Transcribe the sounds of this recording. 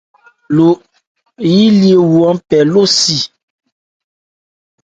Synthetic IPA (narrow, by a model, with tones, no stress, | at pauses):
lo˨ | ji˦li˦e˨wu˨ɔ˨˦pɛ˨lo˦si˨